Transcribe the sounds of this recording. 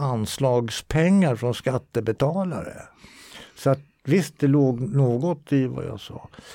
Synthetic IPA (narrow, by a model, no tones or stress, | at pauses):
anslɑːɡspʰɛŋːaɾfɾɔnskat̪ːəbɛt̪ʰɑːla̰ɾə̰ | sɔat̪̚ | vɪst̪̚d̪ɛloːɡnoːɡɔt̪ɪva̰ja̰sɑ̰ː